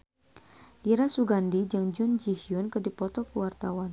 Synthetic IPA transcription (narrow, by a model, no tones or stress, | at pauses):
ʔiɾasuɡandid͡ʒəŋd͡ʒʊnd͡ʒihjʊnkərdipɔt̪ɔkəwart̪awan